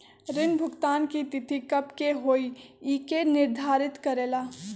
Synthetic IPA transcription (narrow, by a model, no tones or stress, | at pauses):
ɾɪnbʱʊɡt̪aːnkit̪ɪt̪ikəpkeɦoːiiːkenɪɾd̪ʱaːɾɪt̪kəɾeːlaː